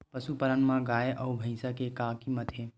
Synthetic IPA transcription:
pəsupəɾənmãɡaːeʔɐubʱəɪsakekaːkimət̪ʰe

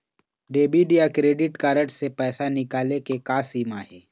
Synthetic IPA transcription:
ɖeːbiɖijakɾeːɖɪʈkaːɾəʈsepɛːsanɪkaːlekekaːsiːmaɦɛː

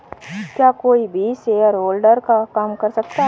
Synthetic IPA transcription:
kjaːkoːibʱiːseəɾoːlɖəɾkakaːmkɐɾsɐk̚t̪aɦ

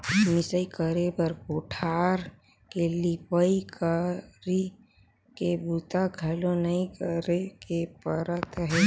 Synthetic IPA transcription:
mɪsəikəɾebəɾkoʈʰaːɾ | kelipəikəɾi | kebut̪aɡʱəlõnɐĩkəɾekepəɾət̪ɦɛ

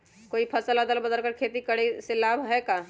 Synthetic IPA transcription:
koːipʰəsəlad̪əlbəd̪əlkəɾkʰeːt̪ikəɽesɪlaːbɦɛka

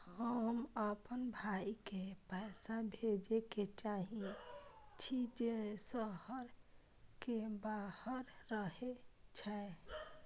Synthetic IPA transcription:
həməpənbʱaikepaɪsabʱed͡ʒeket͡ʃaɦĩ | t͡ʃʰid͡ʒesəhəɾ | kebahəɾːəɦet͡ʃʰɛ

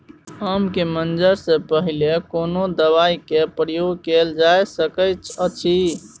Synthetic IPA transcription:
əmkemənd͡ʒəɾsə̃pəɦilekonod̪əβaikepɾəjoɡkeld͡ʒajsəkət͡ʃʰət͡ʃʰi

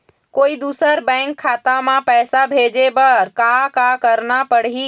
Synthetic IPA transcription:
koːid̪uːsəɾbɛ̃ŋkʰːaːt̪amãpɛːsabʱed͡ʒebəɾkakakəɾnapəɽɦi

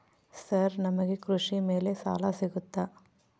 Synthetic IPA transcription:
sɐɾnɐmɐɡekɾuʂime̞ːle̞sa̰ːlasiɡut̪ːaː

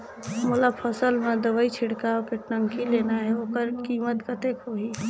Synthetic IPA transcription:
molapʰəsəlmẽd̪əʋəit͡ʃʰiɽkawkeʈəŋkileːnaɦɛoːkəɾkiːmət̪kət̪ekɦoɦi

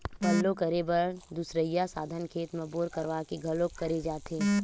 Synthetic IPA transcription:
pɐlːõkɐɾebəɾd̪usɾəjasaːd̪ʱənkʰeːt̪meboːɾkɐɾʋakiɡʱɐlõkɐɾed͡ʒaːt̪eː

